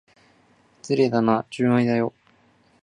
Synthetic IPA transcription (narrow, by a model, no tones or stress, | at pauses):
t͡sɨɾed̪anat͡ɕɨːaid̪ajo̞